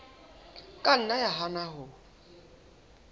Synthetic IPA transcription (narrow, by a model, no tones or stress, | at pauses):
kʼan̩najaɦanaɦʊ